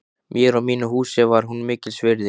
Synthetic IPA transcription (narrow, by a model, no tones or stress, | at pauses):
mjɛɾawmiːnʏɦuːsɪvaɾ̥ɦunmɪːcɪlsvɪɾðɪ